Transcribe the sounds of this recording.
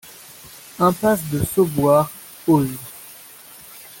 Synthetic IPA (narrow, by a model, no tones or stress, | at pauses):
ɛ̃pas̬d̪əsobwaʁ | oi